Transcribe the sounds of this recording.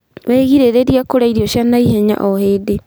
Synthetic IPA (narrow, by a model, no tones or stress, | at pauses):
weɣiɾeɾeɾijakoɾaiɾiɔʃjanaiɦɛɲa̰ʔɔheːde